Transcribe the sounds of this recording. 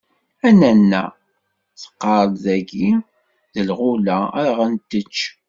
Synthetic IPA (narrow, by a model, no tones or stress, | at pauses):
ænænːæ̰ | θə̥qːɑɾˤlðæɡi | ðəlʁulæə̰ɾʁənt̪ːət͡ʃː